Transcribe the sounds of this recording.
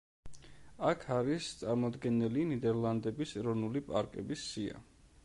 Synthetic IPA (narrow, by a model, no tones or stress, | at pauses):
akʰaɾist̪sʼaɾmɔd̪ɡɛnɛlinid̪ɛɾlˠand̪ɛbisɛɾɔvnulipʼaɾkʼɛ̰bisːia̰